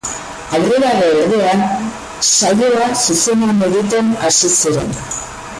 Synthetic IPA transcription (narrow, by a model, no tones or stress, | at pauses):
aβriɣaβeeɾðean | sajoasusenameðit̪enasisiɾen